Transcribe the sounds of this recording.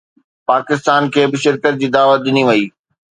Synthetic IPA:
paːkɪst̪aːnkʰeːbɪʃɪɾkət̪̚d͡ʑiːd̪aːʋət̪̚ɗɪniʋɐiː

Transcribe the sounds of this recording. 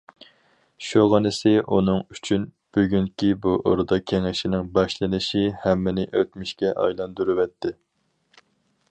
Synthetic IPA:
ʃuʁɑnɪsɪʔunɨŋyt͡ʃʰyn | b̥yɡʲyŋkʲibuʔo̰ɾd̪ɑkʲʰeŋɪʃɪnɪŋbɑʃlˠɨnɪʃihɛmːɪnɪʔøt̪mɪʃkʲɛʔɑ̰jlˠɑnd̪uɾɨwɛt̪ʰːɪ

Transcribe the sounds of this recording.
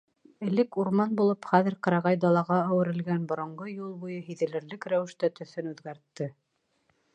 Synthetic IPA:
ɘ̆lɘkuɾmɑnbulˠɤpχæðɘ̆ɾqɑ̆ɾɑʁɑjd̪ɑlˠɑʁɑæwɘ̆ɾɘ̆lɡænbŏɾŏɴɢɤjulˠbujɤɦiðɘ̆lɘ̆ɾlɘkɾæwɘ̆ʃt̪æt̪ɵ̆θɘnʉðɡæɾt̪ːɘ

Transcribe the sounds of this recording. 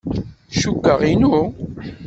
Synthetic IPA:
ʃukːəʁinu

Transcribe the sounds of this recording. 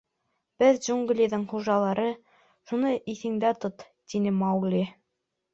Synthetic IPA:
b̥ɘðd͡ʒuŋɡlʲiðɤɴχuʒɑlˠɑɾɤ | ʃunɤʔiθɘ̆ŋd̪æt̪ot̪ | t̪inɘmɑwɡlʲi

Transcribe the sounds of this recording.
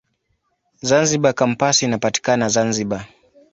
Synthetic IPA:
zanziɓakam̩pasiinapati̥kanazanziɓa

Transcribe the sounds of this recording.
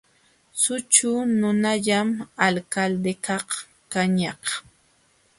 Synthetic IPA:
sʊt͡ʃʊnʊnaʎamalkald̪ekaχ | kaɲɑq

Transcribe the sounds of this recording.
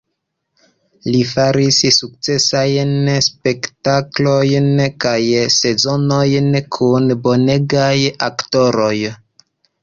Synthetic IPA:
lifaɾissuk̚t͡se̞sajnspe̞ktaklo̞jnkajse̞zo̞no̞jnkʰunbo̞ne̞ɡajakto̞ɾo̞j

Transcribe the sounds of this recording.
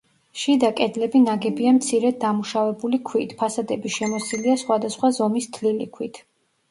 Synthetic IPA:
ʃid̪akʼɛd̪lɛbinaɡɛbiamt̪sʰiɾɛd̪̚d̪amuʃavɛbulikʰwit̪ʰpʰasad̪ɛbiʃɛmɔsiliasχwad̪asχwazɔmist̪ʰlilḭkʰwit̪ʰ

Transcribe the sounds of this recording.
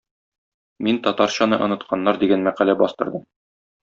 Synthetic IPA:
mint̪ɒt̪ɑɾɕɑnɤʔŏnɤ̆t̪̚qʰɑnːɑɾd̪iɡænmæqælæbɒst̪ɤ̆ɾd̪ɤm

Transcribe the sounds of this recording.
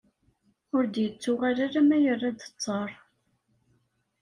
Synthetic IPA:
ʊɾd̪jət͡sːʊʁaɾaɾamæjərːad̪ə̥t͡sˤːɑɾˤ

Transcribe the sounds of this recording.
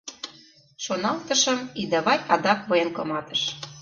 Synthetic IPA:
ʃonɑlt̪ɤ̆ʃɤ̆mid̪ɑβɑjɑd̪ɑkβɤjenkɤ̆mɑt̪ɤ̆ʃ

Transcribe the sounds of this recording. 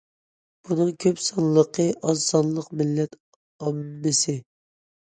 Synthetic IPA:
b̥unɨŋkʲʰøpsɑnlːˠəqʰəʔɑnsɑnlˠəqmɪlːɛt̪ | ɑmːɪsɪ

